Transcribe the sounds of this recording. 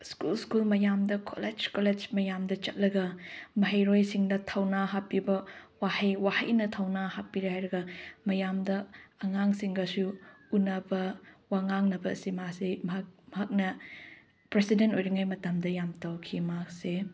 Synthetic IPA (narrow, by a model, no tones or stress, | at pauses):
skulskulmɐjamdɐkʰo̰led͡ʒkoled͡ʒmɐjamdɐt͡ʃɐt̚lɐɡɐmɐɦɐjɾojsiŋdɐtʰɐwnaɦapːibɐwahɐjwahɐjnɐtʰɐwnahapːiɾiɦajɾɐɡɐmɐjamdɐɐŋaŋsiŋɡɐsu | unɐbɐwaŋaŋnɐbɐsimasemmɦak̚nɐ | pɾesidentojɾiŋajmɐtamdɐjamtawkʰimak̚se